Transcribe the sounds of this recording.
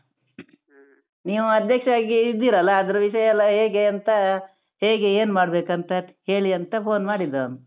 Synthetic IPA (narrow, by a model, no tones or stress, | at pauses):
niːʋuɐd̪jɐkʂaːɡiːd̪ːiːɾɐlːɐːd̪ɐɾuʋiʃɐjɐlːɐɦeːɡeɐnt̪ɐ | heːɡeeːnmaːɽbe̞ːkɐnt̪ɐhe̞ːɭiɐnt̪ɐpʰo̞ːnmaːɽid̪ːɐnu